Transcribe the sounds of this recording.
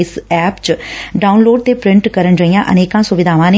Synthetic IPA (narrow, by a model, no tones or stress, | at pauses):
ɪsɛːpt͡ʃɖaːunloːɖ̚t̪eːpɾɪ̃ɳʈkəɾənd͡ʒəijãːʔəneːkãːsʊʋɪd̪ʱaːʋãːne